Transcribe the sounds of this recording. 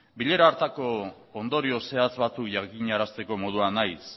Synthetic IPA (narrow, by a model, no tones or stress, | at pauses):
biʎe̞ɾaːɾt̪ako̞ː | nd̪o̞ɾio̞se̞at͡sβat͡sukʝakiɲaɾast̪e̞ko̞mo̞ð̞uanajs